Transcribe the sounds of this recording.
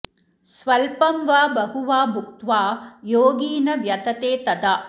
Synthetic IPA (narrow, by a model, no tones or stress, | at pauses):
sʋɐlpɐmʋaːbɐɦuʋaːbʱuk̚t̪ʋaːjoːɡiːnɐʋjɐd̪ʰɐt̪eːt̪ɐd̪ɐ